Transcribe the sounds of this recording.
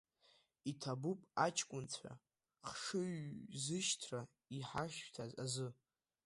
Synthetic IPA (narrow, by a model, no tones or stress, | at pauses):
itʰabupʼat͡ʃʰkʷʼʊnt͡sʷʰa̰ | χʂɨɥzɨʃtʰra | iħaʃtʰaza̰zɨ